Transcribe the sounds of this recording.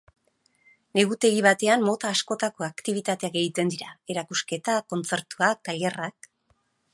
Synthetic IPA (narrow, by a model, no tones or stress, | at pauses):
ne̞ɣut̪e̞ɣiβat̪e̞ammo̞t̪aːsko̞t̪ako̞akt̪iβ̞it̪at̪e̞akɡe̞jit̪e̞nd̪iɾae̞ɾakuske̞t̪ako̞nt͡se̞ɾt̪uak̚t̪aʎerak̚